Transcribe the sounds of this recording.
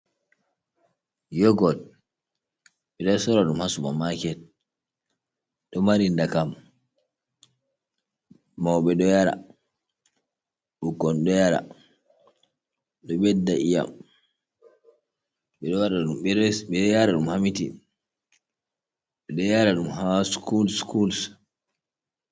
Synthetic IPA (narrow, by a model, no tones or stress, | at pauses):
jɔɡɔl | ɓɛɗɔsɔɾaɗumhasumamakɛ | ɗɔmaɾindakam | mawɓɛɗɔjaɾa̰ | ɓukːɔnɗɔjaɾa̰ | ɗɔɓɛdːaʔija̰m | ɓɛɗɔaɾaɗumɛɓɛjaɾaɗumhamiti | ɓɛɗɔjaɾaɗumhaskulskuls